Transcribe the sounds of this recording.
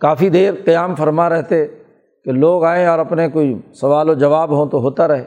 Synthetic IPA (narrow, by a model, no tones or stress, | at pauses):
kaːfid̪eːɾqɐjaːmfɐɾmaɾɛɦt̪e | keloːɡaːẽɔːɾɐpnekoːisɐʋaːlod͡ʒɐʋaːbɦõt̪oɦoːt̪aɾɐɦeː